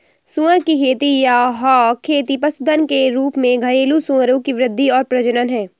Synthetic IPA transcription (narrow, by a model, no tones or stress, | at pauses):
sũːəɾkikʰeːt̪ijaɦɔːkʰeːt̪ipɐsʊd̪ʱənkeɾuːpmẽɡʱɐɾeːlusũəɾõkiʋɾɪd̪ʱːiɔːɾpɾɐd͡ʒənənɦɛ̃ː